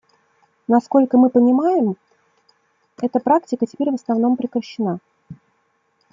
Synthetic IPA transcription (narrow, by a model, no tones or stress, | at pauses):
nɐsko̞lʲkəmɨpənʲɪmajɪm | ɛt̪əpɾaktʲɪkətʲɪ̥pʲeɾʲvəsnɐvno̞mpɾʲɪkɾəɕːɪna